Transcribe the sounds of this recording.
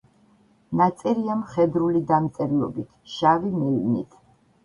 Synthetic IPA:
nat̪sʼɛɾiamχɛd̪ɾulid̪amt̪sʼɛɾlˠɔ̰bit̪ʰʃavimilnḭt̪ʰ

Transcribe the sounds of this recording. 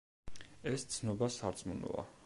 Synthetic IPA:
ɛst̪sʰnɔbasaɾt̪sʼmunɔ̰a̰

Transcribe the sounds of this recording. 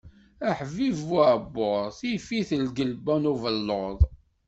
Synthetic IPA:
æħvivabːoɾˤθifiθəlɡəlbænuvəlːoðˤ

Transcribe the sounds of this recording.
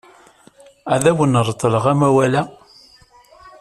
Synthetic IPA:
æðæwənəɾˤt̪ˤːələʁæmæwælæ

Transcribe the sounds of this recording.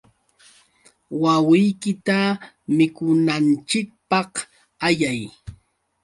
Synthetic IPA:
wawɪjkɪt̪a | mɪkʊnant͡ʃɪk̚pɑh | ajaj

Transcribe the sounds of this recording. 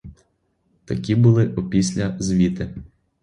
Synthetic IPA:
t̪ɐkʲibʊlˠɪʔɔpʲisʲlʲɐzʲʋʲit̪ɪ

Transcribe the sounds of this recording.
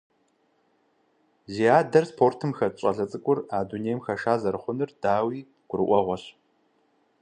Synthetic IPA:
ziaːdɐrspʰoːrtʰɨmxɐɕʼɐɮɐt͡sʼɨkʷʼʊraːduneːjmxɐʃaːzɐɾɨχʷʊnɨrd̥aːwiː | ɡ̥ʷʊɾɨʔʷɔʁʷɔɕ

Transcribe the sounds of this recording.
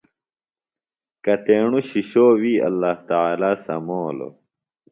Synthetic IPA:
kɐt̪eːɳuɕiɕoːwiːɐ̰lːaːht̪aaːlaːsɐ̰moːlo̰

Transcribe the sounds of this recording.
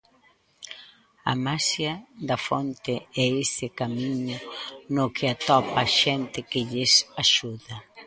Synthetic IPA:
a̰masjɐd̪ɐfo̰nt̪ɪɛesɪkamiɲʊnokɪat̪ɔpaʃɛnt̪ɪkɪʎɪsaʃuðɐ

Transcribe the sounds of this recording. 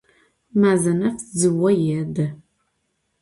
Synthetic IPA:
maːzɐnɐfzɨwɐjɛdɐ

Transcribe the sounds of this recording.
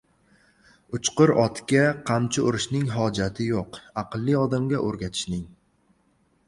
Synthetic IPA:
ʊt͡ʃqɨɾɒt̪kʲaqʰamt͡ʃʰɪʊɾɪʃnɪŋɦɒd͡ʒat̪ʰɪjoqɑqɨlˠːɪɒd̪amɡʲaʔoɾɡʲat̪ʰɪ̥ʃnɪŋ

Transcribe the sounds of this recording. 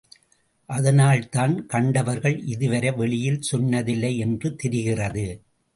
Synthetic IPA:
ʔɐðɐnaːlt̪aːnkɐɳɖɐʋɐɾɣɐɭʔɪðɯʋɐɾɐʋɛɭɪjɪlsɔnːɐðɪlːɐɪɛndrɯt̪ɛɾɪɣɪrɐðɯ

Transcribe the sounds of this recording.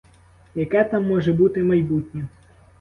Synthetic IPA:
jɐkɛt̪ɑmːɔʒɛbut̪ɪmɐjbut̪ʲnʲi

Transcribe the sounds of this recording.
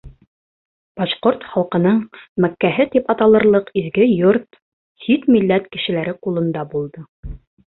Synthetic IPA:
b̥ɑʃqoɾt̪χɑlˠqɤ̆nɤɴmækːæɦɘt̪ipɑt̪ɑlˠɤ̆ɾlˠɤqizɡɘjoɾt̪ | sit̪milːæt̪kɘ̆ʃɘ̆læɾɘqulˠɤ̆nd̪ɑbulˠd̪ɤ

